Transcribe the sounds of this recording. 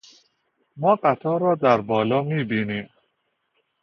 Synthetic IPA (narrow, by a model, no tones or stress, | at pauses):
mɔːqat̪ʰɔːɾɒːd̪æɾbɒːlɒːmiːbinim